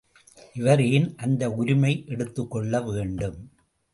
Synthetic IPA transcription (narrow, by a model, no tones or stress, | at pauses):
ʔɪʋɐɾejɪnʔɐnd̪ɐʊɾɪmɐɪʔɛɽɯt̪ːɯkːɔɭːɐʋeːɳɖɯm